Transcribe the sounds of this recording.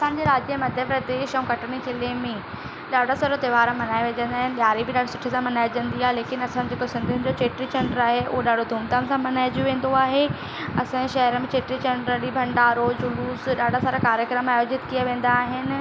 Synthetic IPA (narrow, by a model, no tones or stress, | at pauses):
ɐsãːɲ̆d͡ʑeɾaːd͡ʑiəmɐd̪ʱjəpɾɐd̪eːʃɐ̃ũkɐʈɽ̃ikʰelemẽ | ɗaːɖʱasaːɾot̪ɐʋaːɾãmɐnaːeʋed͡ʑɐ̃nd̪aːɦɪnɪɗɪjaːɾibʱɪɗaːɖ̤ʱosʊʈʰisãmɐnaːjd͡ʑɐ̃nd̪iaːɦeleːkɪnɐsãd͡ʑekosɪ̃nd̪ʱʊnɪ̆d͡ʑot͡ɕeːʈɾit͡ɕɛ̃ɳɖəɾaːɦeʔʊ̰ɦoɗaːɖ̤ʱod̪ʱuːmt̪ansãmɐnaːɪd͡ʑjũʋẽːn̆d̪oaːɦe | ɐsãd͡ʑeʃɐɦəɾəmẽt͡ɕeːʈɾit͡ɕɐ̃ɳɖɾəɗibʱɐ̃ɳɖaːɾod͡ʑʊluːsɗaːɖʱasaːɾakaːɾjəkɾəmaːjoːd͡ʑɪt̪kijaʋẽːn̆d̪aːɦɪnɪ̆